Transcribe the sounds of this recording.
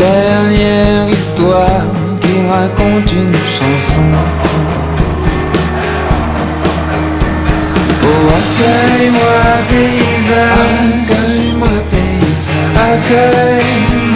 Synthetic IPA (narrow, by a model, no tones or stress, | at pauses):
ɛʁnjɛʁist̪waʁ | kiʁakɔ̃t̪ynʃɑ̃sɔ̃ | oakœjmwapeizak | jmwape | izaakœj